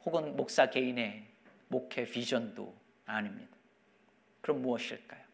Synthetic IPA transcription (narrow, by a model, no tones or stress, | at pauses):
hoɡɯnmok̚s͈akeine̞ | mokʰe̞pid͡ʑʰʌndo̰ | animɲid̥ḁ | kɯɾʌmːuʌɕʰiɭk͈ajo